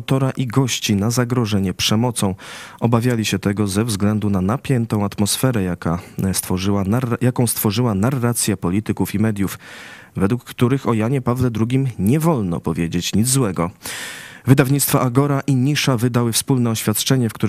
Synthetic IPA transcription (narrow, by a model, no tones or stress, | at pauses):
wt̪ɔɾaʔiɡɔɕt͡ɕinazaɡɾɔʐɛɲɛpʂɛmɔt̪sɔ̃w̃ʔɔbavʲjalʲiɕɛt̪ɛɡɔzɛvzɡlɛnd̪unanapʲjɛnt̪ɔ̃w̃at̪mɔsfɛɾɛjakast̪fɔʐwajakɔ̃w̃st̪fɔʐɘwanarːat̪sʲjɛpɔlʲit̪ɘkufimɛd̪ʲjufvɛd̪wukːt̪uɾɘxɔjaɲɛpavlɛd̪ɾuɡʲimɲɛvɔlnɔ̰pɔvʲjed͡ʑet͡ɕɲid̪zwɛɡɔ | vɘd̪avɲit̪st̪faʔaɡɔɾaʔiɲiʂavɘd̪awɘfspulnɛɔɕfʲjat̪t͡ʂɛɲɛfkt̪uɾ